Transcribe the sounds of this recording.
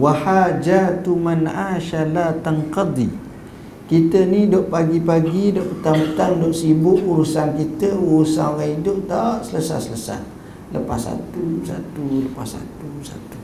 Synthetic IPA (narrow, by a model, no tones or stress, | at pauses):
wahad͡ʒat̪umanʔaʃalat̪aŋqɑd̪i | kit̪ənĩdɔʔpaɡipaɡidɔʔpət̪amt̪andɔʔsibʊʔuɾusankit̪əuɾusa̰noɣaidʊʔt̪aʔsələsa̰hsələsa̰h | ləpa̰sa̰t̪usa̰t̪uləpasa̰t̪usa̰t̪u̥